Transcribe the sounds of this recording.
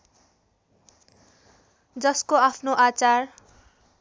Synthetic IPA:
d͡zʌskoapʰnoʔat͡sar

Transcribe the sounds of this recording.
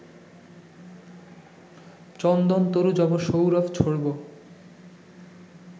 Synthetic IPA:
t͡ɕɔnd̪ɔnt̪oɾud͡ʑɔboʃowɾɔft͡ɕʰoɽbo

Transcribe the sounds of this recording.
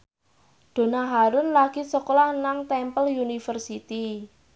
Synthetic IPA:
ɖ̪̥o̤naɦaɾʊnlaɡ̥i̤sɔklanaŋt̪ɛmpəljunifərsit̪i

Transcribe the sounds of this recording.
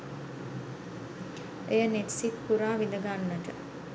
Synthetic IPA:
ejəneʈsit̪puɾaːʋind̪əɡanːəʈə

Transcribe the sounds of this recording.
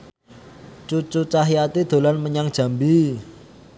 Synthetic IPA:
t͡ʃut͡ʃut͡ʃaɦiat̪id̪̥o̤lanməɲaŋ̥ʒ̥a̤mbi

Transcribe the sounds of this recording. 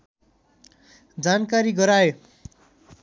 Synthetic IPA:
d͡zankaɾiɡʌɾao

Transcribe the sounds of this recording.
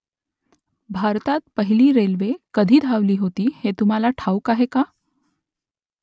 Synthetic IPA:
bʱaɾt̪at̪̚pəɦiliːɾelʋekəd̪ʱiːd̪ʱaʋliːɦot̪iːhet̪um̤alaʈʰaukaɦeka

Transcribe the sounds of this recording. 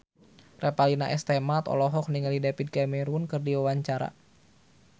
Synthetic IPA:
rɛpalinaʔɛst̪ɛmat̪ɔ̰lɔɦɔk̚niŋalidapit̪̚kamɛɾunkɨrdiwawaɲt͡ʃaɾa̰

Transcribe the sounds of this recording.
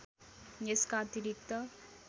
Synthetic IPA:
neskaːt̪iɾik̚t̪ʌ

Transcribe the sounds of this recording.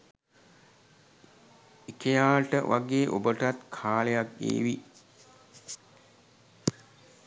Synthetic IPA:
ekejaːʈəʋʔaɡeːʔobəʈat̪kʰaːlejakːḛːʋi

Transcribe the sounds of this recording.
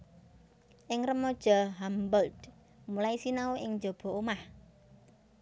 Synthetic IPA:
ʔɪŋrəmɔd̥ʒ̥ɔɦambɔld̪ | mulaisinaoʔɪŋd͡ʒob̥ɔ̤omah

